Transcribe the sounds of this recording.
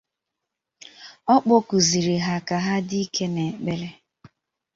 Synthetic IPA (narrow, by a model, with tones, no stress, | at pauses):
ɔ˦k͡po˦ku˨zi˨ɾi˨ɦa˨ka˨ɦa˦di˦i˦kʰe˦ne˨k͡pe˦ɾe˦